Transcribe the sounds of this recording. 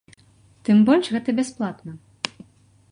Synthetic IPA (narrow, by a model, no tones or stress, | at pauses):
t̪ɨmbɔlʲʂɣɛt̪ɐbʲasplˠat̪nɐ